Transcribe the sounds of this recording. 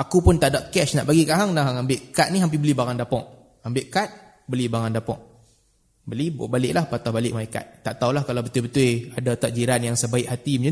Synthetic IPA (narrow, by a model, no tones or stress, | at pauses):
akupʊnt̪aʔdaʔkɛsnaʔbaɡikaɦaŋnaɦaŋambɪʔkat̪̚niɦamp̬ibəlibaŋandapɔʔ̚ | ambɪʔkat̪̚ | bəlibaŋandapɔ̰ʔ̚ | bəlibbalɪʔlahpat̪ɔhbalɪʔ̚malaka̰t̪̚ːaʔt̪aulahkalawbət̪ʊbət̪ʊjadat̪aʔ̚d͡ʒiɾanjaŋsəbaɪʔhat̪iməd͡ʒa